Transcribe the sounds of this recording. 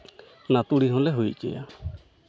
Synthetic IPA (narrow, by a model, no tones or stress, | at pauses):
nat̪uɽiɦɔ̃lɛɦujt͡ʃɛ̰ja̰